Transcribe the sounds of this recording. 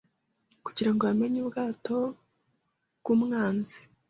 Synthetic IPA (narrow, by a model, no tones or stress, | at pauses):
kuɟiɾaŋɡoβame̞ɲuːbɡaːto̞ | ɡuːmŋaːnzi̥